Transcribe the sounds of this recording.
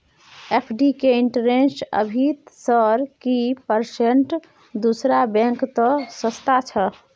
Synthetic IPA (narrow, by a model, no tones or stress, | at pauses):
epʰɖikeiɳʈəɾensə̰bʱit̪səɾkipəɾseɳʈ | d̪usɾabɛ̃ŋkt̪ɔsəst̪at͡ʃʰə